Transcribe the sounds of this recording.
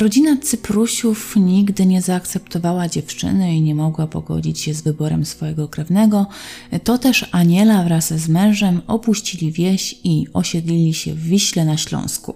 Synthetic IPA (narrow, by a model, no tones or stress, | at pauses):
ɾɔd͡ʑinat̪sɘpɾuɕufɲiɡd̪ɘɲɛzaːkt̪sɛpt̪ɔvawad͡ʑɛft͡ʂɘ̰nɛiɲɛmɔɡwapɔɡɔ̰d͡ʑit͡ɕɕɛzvɘbɔɾɛmsfɔjɛɡɔkɾɛvnɛɡɔt̪ɔt̪ɛʂaɲɛlavɾasːmɛ̃w̃ʐɛmɔpuɕt͡ɕilʲivʲjɛɕiɔɕɛd̪lʲilʲiɕɛ̰vːʲiɕlɛnaɕlɔ̰̃w̃skṵ